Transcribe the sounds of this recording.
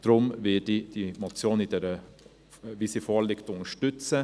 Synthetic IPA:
d̥ɾʊmvɪdid̥imɔt͡sjoːnidɛɾə | visifɔːlɪktʊnəʃtʏt͡sə

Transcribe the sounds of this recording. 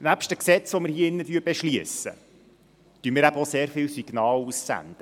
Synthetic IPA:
næpʃtəksɛt͡sʋɔmɪɾhiəɪnːətyːəbeʃliəsə̰ | t̪yəmɪːɾæbəoseːɾfɪlsiɡ̥nɑːlussæ̰nd̪̥ə

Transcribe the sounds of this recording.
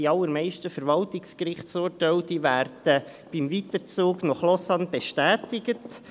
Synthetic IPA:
iɑlːəɾmɛɪʃtəfɛɾʋɑltɪkskrɪχtsuːtɛldiʋæːrd̥ə | b̥imviːtəɾt͡suːɡnɔχlɔsɑnbɛʃtæːtɪɡət

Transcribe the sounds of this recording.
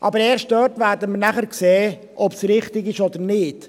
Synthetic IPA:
ʔɑbəɾɛːɾʃt̚d̥øːtʋæːɾdəmənæχəɾkseː | ʔɔpsɾɪχtɪɡɪʃɔd̪əɾnɪt

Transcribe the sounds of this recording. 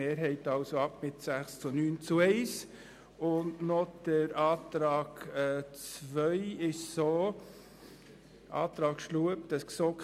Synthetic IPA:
eːɾɦɛɪtɑlsoɑpmɪtsæχst͡sunyːnt͡suɛɪs | ʊndnɔd̥əɾɑːt̪ɾɑːɡ̥ɛt͡svœʏɪʃsoː | ʔɑ̰ːt̪ɾɑːkʃluəpd̥ɑsksoːk

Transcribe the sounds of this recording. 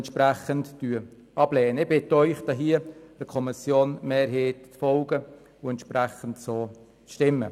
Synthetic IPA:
ntʃpɾæχənttyː | ɑb̥lɛːnəɪbɪtœʏχdɑɦiəəkʰɔmɪsjoːnmeːɾɦeːttfɔlɡə | ʊɛntʃprɛχəntsoː | ʃtɪmːə

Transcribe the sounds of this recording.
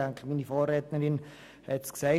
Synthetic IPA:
aŋkʰəmiːnifoːrːɛːt̪nəɾɪn | hɛtsksaɪ

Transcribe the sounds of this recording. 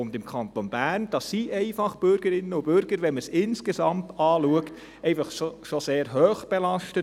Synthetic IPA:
ʊndɪmkʰɑntonb̥æːrnd̥ɑsːiʔɛɪfɑχb̥ʏɾɡ̥əɾɪnːəʊb̥ʏɾɡ̥əɾʋɛnməsɪnskesɑmtɑːluəkt | ɛɪfɑχoʃoseːɾɦœːχb̥elɑʃtət

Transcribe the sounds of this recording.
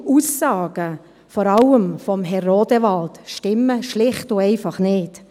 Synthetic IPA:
usɑːɡ̥ə | fɔːɾɑləmfɔmɦɛrːoːd̥əvɑltʃtɪmːəʃlɪχtʊɛɪfɑχnɪːt

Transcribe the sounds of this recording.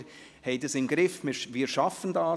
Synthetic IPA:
hɛɪd̥əsɪnɡ̥ɾɪfmɪɾʋiːɾʃɑfəndɑː

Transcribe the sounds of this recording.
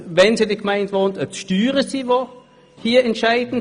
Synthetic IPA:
vɛnsidiɡmaɪndʋontət͡sʃtyːʁəsivo | hiːɐɛntʃaɪdn̩

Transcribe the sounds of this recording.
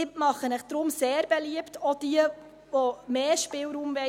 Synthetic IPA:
ɪmɑχənɛχd̥ɾʊmseːɾbɛliəptod̥iə | ʋomeːʃpɪːlɾuːmvɛ

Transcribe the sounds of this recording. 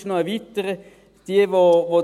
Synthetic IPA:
ʃnoəʋit̪əɾə | d̥iəʋoʋo

